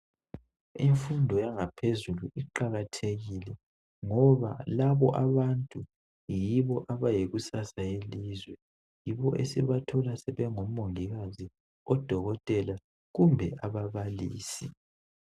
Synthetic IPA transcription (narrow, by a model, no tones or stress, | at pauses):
iɱfundʱɔjaŋapʰezuluʔiǃaɣatʰeɣiːlɛ | ŋɔβa̰laβɔʔaβantʼu | jiβɔʔaβajeɣusasaelizwɛ | jiβɔʔesiβatʰɔlasɛβɛŋom̩ːoŋiɣazi | ɔd̥ʱɔɣɔtʼɛla | ɣumbʱɛʔaβaβalḭːsi